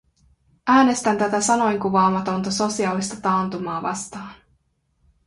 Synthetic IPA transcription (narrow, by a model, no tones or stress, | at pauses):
ʔæːne̞st̪ænt̪æt̪æsɑno̞jŋkuʋɑːmɑt̪o̞nt̪ɑso̞siɑlːist̪ɑt̪ɑːnt̪umɑːʋɑ̰st̪ɑːn